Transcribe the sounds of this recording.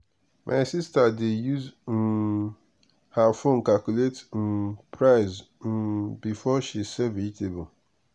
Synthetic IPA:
mʔa̰ɪsistadɪjuz̩ | hafon̩kalkuletn̩pʰɾaɪz | bifɔʃisɛvitebʊ

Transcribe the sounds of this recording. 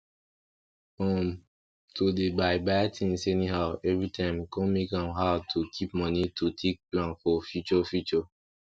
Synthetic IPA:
ɔ̃m | tʰudebaɪbaɪtʰĩŋsenĩɦaɛvɹitʰãɪ̃mkɔ̃nmekãmɦatʰukʰip̚mɔnitʰutʰek̚plãnfɔfjut͡ʃɔfjut͡ʃɔ

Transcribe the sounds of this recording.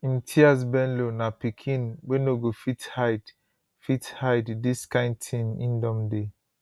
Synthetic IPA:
in̩tʰias̬bɛnlonapikʰĩnwenoɡofithaɪd | fithaɪddiskãɪ̃n̚tʰĩnĩndɔmde

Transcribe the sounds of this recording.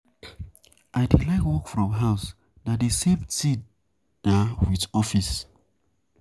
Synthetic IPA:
ʔaɪdelaɪkwɔkfɹɔ̃mɦaʊs | dadesevsi | nawiðɔfis

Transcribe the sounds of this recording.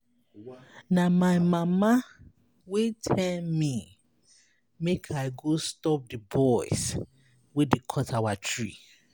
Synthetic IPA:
namaɪmama | wetʰɛlmi | mekʰaɪɡostɔp̚dɨbɔɪs | wedekʰɔtʰawatʰɹḭ

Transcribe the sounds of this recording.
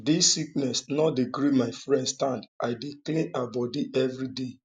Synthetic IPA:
disːik̚nɛsnɔdiɡɾimaɪfɹɛ̃ndstãndaɪdiklẽnabɔdiʔɛvɹide

